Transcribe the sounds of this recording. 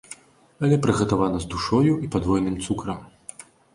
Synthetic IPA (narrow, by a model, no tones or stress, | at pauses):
ɐlʲɛpɾɨɣɐt̪avanɐzd̪uʂɔjuʔipad̪vɔjnɨmt̪sukɾɐm